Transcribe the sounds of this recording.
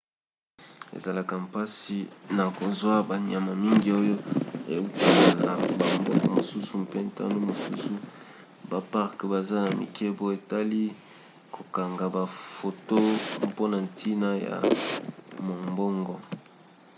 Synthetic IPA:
ḛ˨za˨la˨ka˨mpa˦si˨na˨ko˨zwa˦ba˨ɲ˨a˨ma˨mi˦ŋɡi˨o˦jo˦ḛ˨u˦ta˨la˨la̰˨ba˨mbɔ˦ŋɡɔ̰˨mo˨su˦su˨mpe˦nta̰˦no˦mo˨su˦su˦ | ba˨pa˦ʁkba˨za˦na˨mḭ˨kʰɛ˦bo˦e˨ta˦li˦ | kʰo˨ka˨ŋɡa˨ba˨fo˨to˦mpo˦na˨ntʰi˦na˦ja̰˨ | mo˨mbɔ˦ŋɡɔ˨

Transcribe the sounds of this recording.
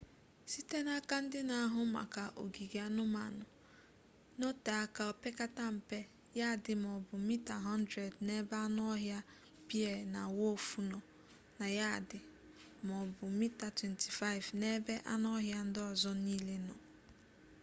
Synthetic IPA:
si˦te˦na˦ka˦n̩˦dɪ˦na˨a˦ɦʊ˦ma̰˨ka˨ʔo̰˨ɡi˨ɡe˨a˦nʊ˦ma̰˨nʊ˨ | no˦ta˨a˦ka˨o˨pe˦ka˦ta˦m̩˨pe˦ | ja˦˨dɪ˨m˨ɔ˨bʊ˨mi˦ta˨ɦɔ˦n˦dɾe˨dne˦be˦a˦n˦ɔ˦ɦja˦ | pi˦e˨na˨wo˦˨fu˦nɔ˨ | na˨ja˦˨dɪ˨ | m˨ɔ˨bʊ˨mi˦ta˨twe˨ntʰi̥˨fa˦ɪ˨vne˦be˦ʔa˦nɔ˦ɦja˦n̩˦dɪ˦ɔ˨zɔ˦ni˦le˦nɔ̰˨

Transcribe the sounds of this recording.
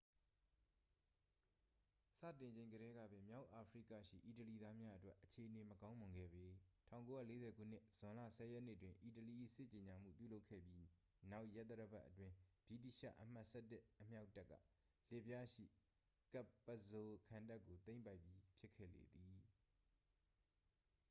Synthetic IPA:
sä̰˦˨tɪ̃˨ɲd͡ʑẽ˨ɪ̃ŋɡəɾɛ˦ɡä̰˦˨bɪ̃˨mja˦ʊʔa˨pʰəɹḭ˦˨kä̰˦˨ʃḭ˦˨ʔi˨t̬əli˨d̪a˦mja˦ʔə˦twɛ˦ʔət͡ɕʰe˨ʔəne˨məkã˦ʊ̃mʊ̃˨ŋɡɛ̰˦˨bi˨tʰã˦˨ʊ̃ŋko˦ja̰˦˨le˦zɛ˨ɡṵ˦˨n̥ɪ˦ʔz̥ʊ̃˨lä̰˦˨sɛ˨jɛ˦ʔnɪ˦ʔətwɪ̃˨ʔi˨təli˨ʔḭ˦˨sɪ˦ʔt͡ɕe˨ɲa˨m̥ṵ˦˨pjṵ˦˨lo˦ʊkʰɛ̰˦˨pji˦ | na˦ʊʔjɛ˦ʔt̪ːə˦ɾəba̰˦ʔːətwɪ̃˦b̥i˦˨t̬i˦˨ʃa̰˦˨ʔəm̥a˦ʔsɛ˦tɪ˦əm̥ja˦ʊtːɛ˦kːä̰˦˨ | l̥ɪ˦˨pja˦ʃḭ˦˨ | ka˦˨pːə˨zo˨kʰã˨nda˦kːo˨t̪ẽ˦ɪ̃mpa˦ɪpːji˦pʰjɪ˦kʰːɛ̰˦˨lḛ˨d̪i˨

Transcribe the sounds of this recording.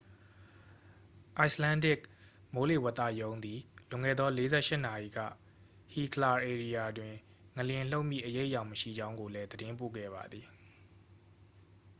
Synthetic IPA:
ʔa˦ɪslã˦ndɪ˦˨k̚ | mo˦le˦˨wɛ˦t̪ːä̰˦˨jõ˦ʊ̃nd̪i˨lʊ̃˨ŋɛ̰˦˨d̪ɔ˦le˦zɛ˦ʔʃɪ˦ʔna˨ʔi˨ɡä̰˦˨ | hi˨kʰəla˨ʔe˨ɹi˨ja˨dwɪ̃˨ | ŋə˨ljɪ̃˨l̥o˦ʊʔmjḭ˦˨ʔəje˦ɪʔjã˨ʊ̃məʃḭ˦˨d͡ʑã˦ʊ̃ŋɡo˨lɛ˦d̪əɾɪ̃˦mpo̰˦˨ɡɛ̰˦˨βa̰˨d̪ði˨

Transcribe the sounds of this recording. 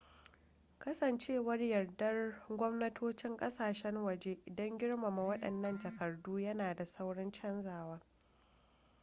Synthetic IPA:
kɐ˦sɐ˨nt͡ʃeː˦wɐ˦rjɐ˨rdɐ˦rɡʷɔ˦mnɐ˦tʰoː˦t͡ʃɪ˦ŋkʼɐ˦saː˨ʃɛ˦ŋwɐ˨d͡ʒeː˦ʔɪ˨dɔ˦ŋɡʲɪ˦ɽma˨ma˨wɐ˦ɗɐ̰˨nːɐ˦nd͡ʒɐ˨kɐ˨rduː˦jɐ˦naː˨da˨sɐ˦wɽɐ˦nt͡ʃɐ˦nzaː˨waː˦

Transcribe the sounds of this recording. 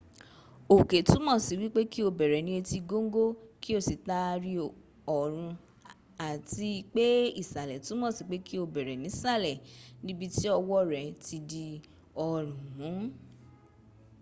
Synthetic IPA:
o˨ke˨tũ˨˦mɔ̃˦˨si˨˦wi˦k͡pe˦ki˦o˧˨bɛ˨ɾɛ˨nĩ˦e˧ti˧ɡo˦ŋ˦ɡo˦ki˦o˦˨si˨ta˧ɾi˧ | ɔ˨ɾ̃ũ˧ | a˨ti˧k͡pe˦i˦˨sa˨lɛ˨tũ˨˦mɔ̃˦˨si˨k͡pe˦ki˦o˧˨bɛ˨ɾɛ˨nĩ˨˦sa˦˨lɛ˨nĩ˦bi˦ti˦ɔ˧wɔ˦ɾɛ˨ti˧di˧ | ɔ˨ɾ̃ũ˨ɦũ˨˦

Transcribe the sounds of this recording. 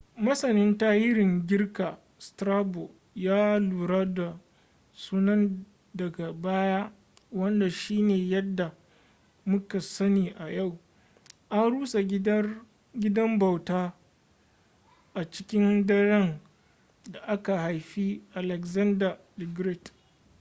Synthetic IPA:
mɐ˦sɐ˨nɪ˦ntaː˦jɪ˦ɾɪ˨ŋɡʲɪ˦rka˨ | stɾaː˦bo˨ | jaː˦luː˨ɾaː˦da˨ | suː˦nɐ˦n | dɐ˨ɡa˨baː˦ja˦ | wɐ˦nda˨ʃiː˦neː˨jɐ˦dːa˨ | mʊ˦ka˨sɐ˦niː˨ʔa˨ja˦˨w | ʔa˦nɽuː˦sa˨ | ɡʲɪ˦dɐ˦mba˨wtaː˦ | ʔa˨t͡ʃɪ̥˦kʲɪ˦ndɐ˦ɽɛ˦n | da˨ʔa˦ka˨ha˨jɸi˦ʔa˨lɛ˨kzɐ˦nda˨ | dɪ˨ɡɾɛ˦˨t

